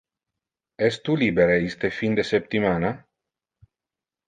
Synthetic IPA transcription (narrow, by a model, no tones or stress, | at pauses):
ɛst̪ulibeɾeist̪efind̪esep̚t̪imana